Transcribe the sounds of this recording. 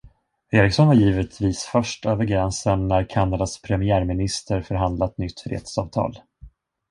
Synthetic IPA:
eːɾɪksɔnvaɾjiːvət̪ʰviːsfœʂʈøːvəɾɡɾɛnsənːæɾkʰanːad̪aspʰɾɛmɪæːɾmɪnɪst̪əɾfœɾɦand̪lat̪nʏt̪ːfɾḛːd̪sɑːvt̪ʰɑ̰ːl

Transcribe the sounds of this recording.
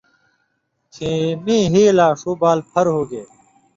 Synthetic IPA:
kʰiːmĩːɦiːlaːʂuːbaːlpʰɐɾɦoːɡeː

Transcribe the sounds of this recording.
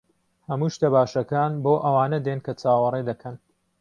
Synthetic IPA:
hɐmuːʃt̪ɐbaːʃɐkaːnboːʔɐwaːnɐd̪enkɐt͡sʰaːwɐred̪ɐkʰɐn

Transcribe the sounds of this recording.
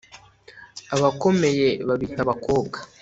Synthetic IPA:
aβako̞me̞je̞βaβitaβako̞ːbɡḁ

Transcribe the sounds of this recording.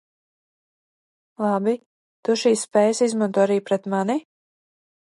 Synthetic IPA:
lˠabi | t̪uʃiːsspɛːjsizmant̪uːaɾiːpɾɛt̪mani

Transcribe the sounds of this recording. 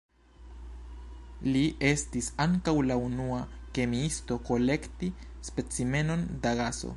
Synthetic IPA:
liʔest̪isaŋkawlaunuakemiist̪okolekt̪i | spet͡simenond̪aɣaso̰

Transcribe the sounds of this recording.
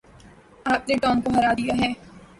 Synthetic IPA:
aːpneʈɔːnkoɦɐɾaːd̪ijaɦɛː

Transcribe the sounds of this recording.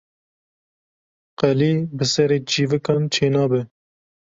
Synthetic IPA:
qɛliːbɨsɛɾeːd͡ʒiːvɨkɑːnt͡ʃʰeːnɑːbɨ

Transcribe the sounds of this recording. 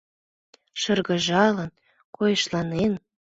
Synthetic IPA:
ʃɤ̆rɣə̆ʒɑlən | kojɤ̆ʃlɑnen

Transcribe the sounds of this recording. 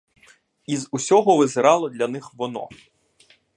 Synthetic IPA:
izusʲɔɦɔʋɪzɪɾɑlˠɔd̪lʲɐnɪxʋɔnɔ̰

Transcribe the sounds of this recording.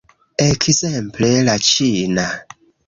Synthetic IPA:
ɛkʰizɛm̩plelat͡ʃina

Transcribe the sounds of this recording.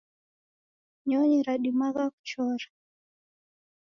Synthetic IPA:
ɲɔɲiɾaɗimaɣaku̥t͡ʃɔɾa

